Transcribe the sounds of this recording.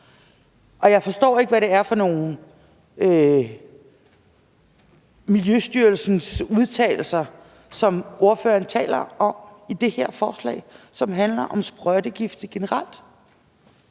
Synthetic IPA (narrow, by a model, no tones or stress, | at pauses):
ʔɒ̽jɑ̈ɪfɒ̽sd̥ɔ̰ːe̝ɡ̥əʋæɾe̝æɐfɒ̽no̝ːn̩ | ø | miljøsd̥yɐlsn̩suð̞ˠt͡sʰɛ̰ːɪl̩sɐ | sɒ̽mʔo̝ɐfø̰ːɐn̩t͡sʰɛ̰ːlɐʔɒ̽mid̥e̝hæɐ̰fɒːslɛ̰ɪsɒ̽mɦænlɐʔɒ̽msb̥ʁœd̥əɡ̥ifd̥ɡ̥e̝nəʁɑ̈l̰d̥